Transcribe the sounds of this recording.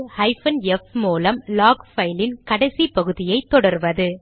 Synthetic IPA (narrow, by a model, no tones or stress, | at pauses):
hɐɪfɐnɛfmuːlɐmlaːkfɐɪlɪnkɐɽɐɪsipɐɣɯðɪjɐɪt̪ːɔɽɐɾʋɐðɯ